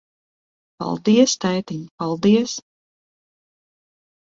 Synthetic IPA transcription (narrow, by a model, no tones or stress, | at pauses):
pa̰lˠd̪iɛst̪ajt̪iɲpalˠd̪iɛs